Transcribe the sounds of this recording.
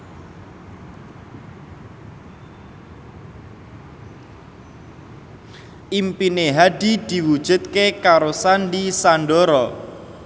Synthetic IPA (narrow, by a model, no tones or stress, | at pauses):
ʔimpineɦaɖid̪̥i̤wud̥ʒ̥ṳt̪̚kekaɾosandisanɖɔɾɔ